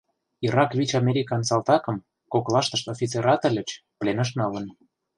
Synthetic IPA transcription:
iɾɑkβʲit͡ɕɑmʲeɾʲikɑnsɑlt̪ɑkə̆m | koklɑʃt̪ə̆ʃt̪ofʲit͡seɾɑt̪ə̆lʲə̆t͡ɕ | plenə̆ʃ̬nɑlə̆n

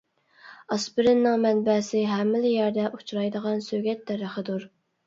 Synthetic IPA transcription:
ɑsbɪɾɪnːɪŋmɛnbɛsɪɦɛmːɪlɪjæɾd̪ɛʔut͡ʃʰɾɑjd̪əʁɑnsøɡʲɛt̪ːɛɾəχəd̪uɾ

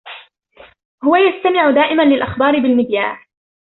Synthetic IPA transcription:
hʊwajast̪amɪʕʊd̪aːʔɪmanlɪlʔaxbɑːɾɪbɪlmɪd̪jaːʕ

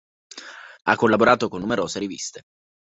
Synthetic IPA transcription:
a̰kːolːaboɾaːt̪okonːumeɾoːzeɾivḭst̪e

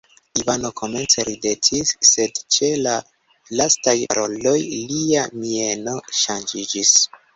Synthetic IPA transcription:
ivano̞kʰo̞me̞nt͡se̞ɾide̞tʰisːe̞dt͡ʃe̞la | lastaja̰ɾo̞lo̞jliamie̞no̞ʃand͡ʒid͡ʒis

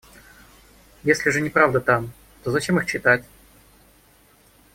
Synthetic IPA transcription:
jesʲlʲɪʐɨnʲɪpɾavd̪ət̪am | t̪ozɐt͡ɕemɨxt͡ɕɪt̪atʲ

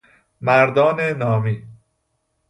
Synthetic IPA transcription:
mæɾd̪ɒːnenɒːmiː

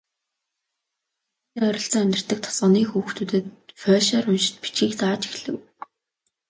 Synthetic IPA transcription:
t̪iːŋœɾʲɪ̆ɬt͡sə̆ŋæmʲt̪ɪ̆r̥t̪ə̆k̚t̪ʰɔ̥sɔːniːxuːxt̪ʰut̪ɘ̆t̪fœːʃɔːrʊnʃɪ̥̆t̪pit͡ɕiːkt̪aːt͡ɕi̥xɮɘ̆w

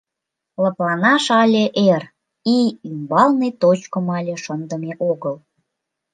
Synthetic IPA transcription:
ləplɑnɑʃɑlʲeʔer | iymbɑlnejt̪ot͡ɕkəmɑlʲeʃənd̪əmeʔoɣəl

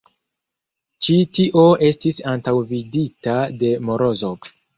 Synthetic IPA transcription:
t͡ʃitiʔo̞e̞stisantawviditade̞mo̞ɾo̞zo

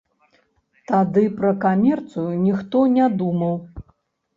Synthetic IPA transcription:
t̪ad̪ɨpɾɐkamʲɛrt̪sɨjunʲixt̪ɔnʲad̪umɐw

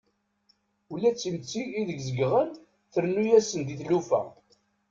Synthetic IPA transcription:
ulːæt͡sːimt͡sːiːðəɡzəɡʁən | θəɾnujæsənd̪iθlufæ̰

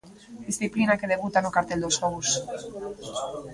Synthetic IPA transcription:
d̪isθiplinake̞ðe̞βut̪anokaɾt̪eld̪oskous

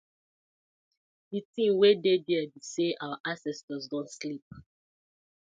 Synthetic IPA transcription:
ditĩmwededɛabiseʔawaʔãsɛstəzdɔ̃nslip̚

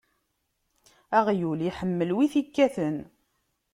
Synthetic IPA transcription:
æʁjuliħəmːəlwiθikːæθən

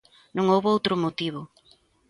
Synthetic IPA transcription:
nõŋowβoowt̪ɾʊmot̪iβʊ

